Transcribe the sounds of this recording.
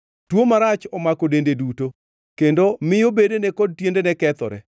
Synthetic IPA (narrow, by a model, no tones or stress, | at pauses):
twomaɾat͡ʃɔmakodendeduto | kendomɪjobedenɛkɔd̚tjendenɛkɛt̪ɔ̰ɾɛ̰